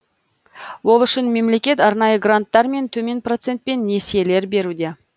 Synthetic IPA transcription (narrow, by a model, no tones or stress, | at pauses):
wo̞lˠʏʃɪnme̞mle̞kʲe̞t̪ɑɾnɑjəɡrant̪ːɑɾme̞nt̪ʰɵme̞npro̞t̪se̞nt̪̚pe̞nːe̞sije̞le̞ɾbe̞ɾud̪e̞